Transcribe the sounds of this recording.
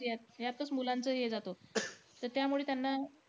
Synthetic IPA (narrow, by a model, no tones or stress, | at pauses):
jat̪̚ɦjat̪̚kəsmulant͡səːɦed͡zat̪ot̪əɾt̪jamuɭeːt̪janːa